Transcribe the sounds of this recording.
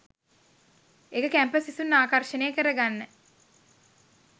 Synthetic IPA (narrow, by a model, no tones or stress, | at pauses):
ekəkæmpəsisunːaːkarʃənejəkəɾəɡanːə